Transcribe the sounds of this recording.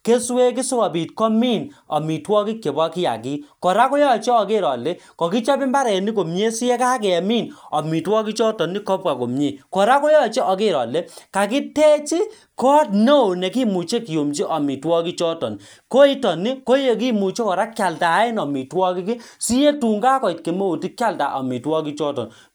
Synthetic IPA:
ke˦swe˦k̬i˦so˦kɔ˨pi˨t̚kɔ˦mi˦nɔ̰˨mi˨twɔ˦ki˦kje˨bɔ˦ki˦ja̰˨ki˦kɔ˨ɾa˦kɔ˦jɔ˦˨t͡ʃe˦ɔ˨ke˦ɾɔ˨le˦kɔ˨ki˦t͡ʃɔ˦bi˦mba˦ɾɛ˨ni˦ko˨mɲe˦si˦je˦ka˦k̬ɛ˨ɛ˨miː˦˨nɔ˨mi˨twɔ˦ki˦t͡ʃɔ˦tɔ˨ni˦kɔ˦p̚ka˨ko̰˨mɲe˦˨kɔ˨ɾa˦kɔ˦jɔ˦˨t͡ʃe˦ɔ˨ki˦ɾɔ̰˨le˦ka˨ki˦te˦t͡ʃi˦ | kɔ˦tno˦o˨nɛ˨ki˦mu˨t͡ʃe˦ki˨jo˨mt͡ʃi˦ʔɔ˨mi˨twɔ˦ki˦t͡ʃɔ˦tɔ̰˨n | ko˦i˦tɔ˨ni˦ko˦je˦k̬i˦mu˨t͡ʃe˦kɔ˨ɾa˦kja˨lta˨˦ɪ˦nɔ˨mi˨twɔ˦ki˦ki˦si˦je˦tu˨ŋɡa˦kɔ˨i˨tke˨me˦o˨ti˦kja˦lta̰˨ʔɔ˨mi˨twɔ˦ki˦t͡ʃɔ˦tɔ̰˨n

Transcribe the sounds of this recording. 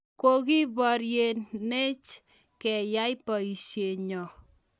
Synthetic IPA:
ko˦ki˦bɔ˨ɾje˨nne˦t͡ʃ | kɛ˨ja˦jpɔ˨i˨ʃje˨ɲɔ˨

